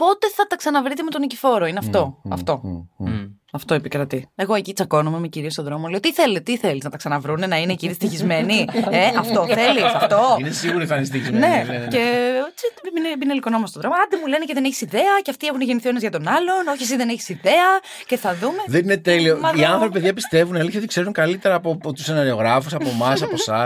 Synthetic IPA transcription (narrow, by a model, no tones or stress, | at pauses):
po̞t̪e̞θɐt̪ɐksɐnɐvɾit̪̬eme̞t̪onicifo̞ɾoineɐft̪o̞ɐft̪o̞ | ɐft̪o̞ipikɾɐt̪ie̞ɣo̞e̞cit͡sɐko̞numemeciɾiost̪o̞ðɾo̞monlejot̪iθelet̪iθe̞liznɐt̪ɐksɐnɐvɾune̞nɐinecinist̪içizme̞nieɐft̪oθθelisɐft̪oinesiɣuɾiθɐnist̪içizne̞ce̞ot͡siminebinelikonomɐst̪oðɾo̞moɐnd̪imule̞neceðeneçi̥siðe̞ɐceɐft̪ie̞xuneʝe̞niθio̞nɐzʝɐt̪o̞nɐlo̞noçies̬iðe̞neçi̥siðe̞ɐ | ce̞θɐðume̞ðeninet̪eliomɐiɐnθɾo̞pipeðʝɐpist̪evunɐelçeot̪ikse̞ɾuŋkɐlit̪eɾɐːpot̪u̥senɐɾio̞ɣɾɐfusɐpomɐs̬ɐosɐ